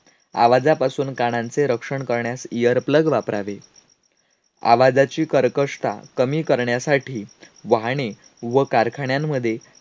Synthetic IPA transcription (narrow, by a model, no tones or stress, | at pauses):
a̰ʋad͡zapasuːnkaɽ̃ãnt͡seɾəkʂəɳkəɾɳjasijəɾpləɡʋapɾaʋe | a̰ʋad͡zat͡ɕiːkəɾkəʂt̪a̰kəmiːkəɾɳjasaʈʰiː | ʋaɦɽ̃e | ʋəkaɾkʰaɳjamːəd̪ʱːje